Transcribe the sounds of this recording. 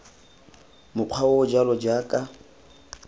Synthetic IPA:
mʊq͡χʰwaod͡ʒalɔd͡ʒaːkʼa

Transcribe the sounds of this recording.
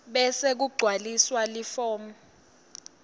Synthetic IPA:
ɓɛsek̬uɡ͡ǀʱwaliswalifɔːmu

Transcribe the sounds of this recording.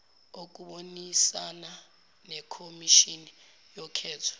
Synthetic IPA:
ok̬uɓonisana | nɛkʰomiʃini | jɔkʰɛːtʰɔ̥

